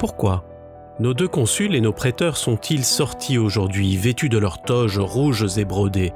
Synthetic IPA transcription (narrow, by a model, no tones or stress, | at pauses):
puʁkwa | nod̪økɔ̃sylenopχɛt̪œʁsɔ̃t̪ʰilsɔʁt̪ʰioʒuʁd̪ɥivet̪yd̪əlœʁt̪ɔʒʁuʒzebʁod̪e